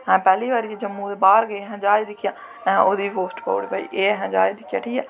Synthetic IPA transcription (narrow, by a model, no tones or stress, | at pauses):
ɦɛ̃ːpɛːliːbaːɾiːd͡ʒːd͡ʒəmːũːd̪eːbaːɾɡəeːɦɛ̃ːd͡ʒaːid̪ɪkʰːɪjãː | oːd̪iːɦoːsʈpa̰ːɽḭːbaːḭːʔeːɦɛ̃ːd͡ʒaːeːd̪ɪkʰjaːʈʰiːkɛː